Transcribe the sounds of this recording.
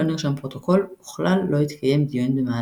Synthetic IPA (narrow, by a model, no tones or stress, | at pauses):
oniʁʃampʁo̞t̪o̞ko̞luχlalːo̞it̪kʰaje̞md̪ijunbemaː